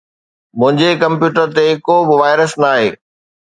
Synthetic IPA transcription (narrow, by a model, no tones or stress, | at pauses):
mʊ̃ɦɪ̃ɲd͡ʑekɐ̃mpjuːʈəɾt̪ekoːbɪʋaːɪɾəsnaːɦḛː